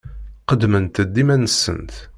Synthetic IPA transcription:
qəd̪mənt̪əd̪ːimænəsːə̰nt̪

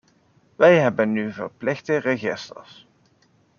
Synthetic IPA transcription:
ʋɛjɦɛbənːyvə̰rplɪxtəreχɪstə̰ɹs

